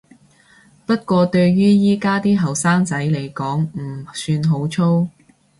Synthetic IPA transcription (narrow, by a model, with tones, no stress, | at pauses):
pɐ˥t̚kʷɔː˧t̪ɵ˧ɥɥyː˥jiː˥kaː˥t̪iː˥ɦɐ˨˩wsaː˥ŋt͡sɐ˨˥jle˨˩jkɔː˨˥ŋm̩˨˩syː˧nɦo˨˥wt͡ʃʰo˥w